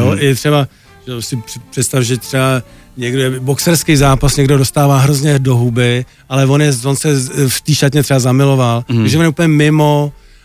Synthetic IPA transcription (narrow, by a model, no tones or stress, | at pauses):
joʔɛt̪r̥ɛba | ʒɛosɪprɪpr̥ɛt̪st̪afʒɛt̪r̥ɛba | ɲɛɡdoɛboksɛɾskejzaːpasɲɛɡdodo̞st̪aːvaːɦɾozɲɛdo̞ɦubɪ | ʔalɛvo̞njɛvo̞nsɛft̪iːʃat̪ɲɛt̪r̥ɛbazamɪlo̞valt̪aɡʒɛvonjɛupəɲɛmɪmo